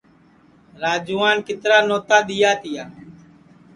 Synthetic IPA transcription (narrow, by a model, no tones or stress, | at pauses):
ɾaːd͡ʒuːaːnkɪt̪ɾaːnoːt̪aːɗ̪ijaːt̪ʰɪjaː